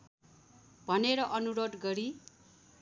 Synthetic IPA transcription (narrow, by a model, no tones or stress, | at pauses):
bʱʌneɾʌʔʌnuɾod̪ɡʌɾi